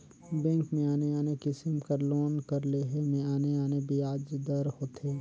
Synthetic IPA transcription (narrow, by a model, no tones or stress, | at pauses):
bɛ̃ːŋkmẽaːneaːnekɪsɪmkəɾloːnkɐɾleːɦemẽaːneaːnebiaːd͡ʒd̪əɾhoːt̪ʰeː